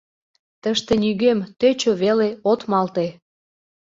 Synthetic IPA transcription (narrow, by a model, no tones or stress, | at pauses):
t̪əʃt̪enyɣemt̪øt͡ɕoβeleot̪mɑlt̪e